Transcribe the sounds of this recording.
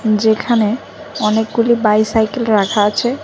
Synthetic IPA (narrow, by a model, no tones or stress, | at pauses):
d͡ʑekʰane | ɔnek̚ɡulibajsajkelɾakʰaat͡ɕʰe